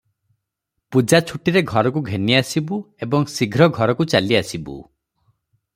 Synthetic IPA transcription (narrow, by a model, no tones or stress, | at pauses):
pud͡ʒat͡ʃʰuʈiɾeɡʱɔɾɔk̬uɡʱeniasibu | ebɔŋsiɡʱɾɔɡʱɔɾɔkut͡ʃaliasibṵ